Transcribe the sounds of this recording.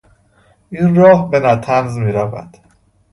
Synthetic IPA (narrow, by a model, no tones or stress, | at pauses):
ʔinrɒːhbenæt̪ʰænzmiːɾævæ̰d̪̥